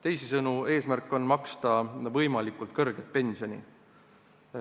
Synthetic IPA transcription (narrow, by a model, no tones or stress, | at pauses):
t̪e̞jsisɤnue̞ːsmærkːˑo̞nmɑkst̪ɑvɤjmɑlikːˑult̪̚kɤrɡ̥et̪̚pe̞nʲsio̞nʲḭ